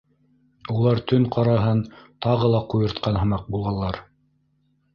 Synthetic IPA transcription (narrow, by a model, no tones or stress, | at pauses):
ulˠɑɾt̪ɵŋqɑɾɑɦɤnt̪ɑʁɤ̆lˠɑqujɤ̆ɾt̪qɑnɦɤ̆mɑq̚bulˠʁɑlˠːɑɾ